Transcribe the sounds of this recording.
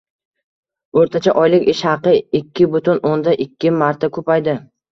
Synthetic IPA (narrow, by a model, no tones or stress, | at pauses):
oɾt̪ʰat͡ʃʰaʔɒjlɪkʲɪʃhɑqɨɪkʲʰːɪbʊt̪ʰʊnond̪aʔɪkʲːɪmaɾt̪ʰakʰɵpajd̪ɪ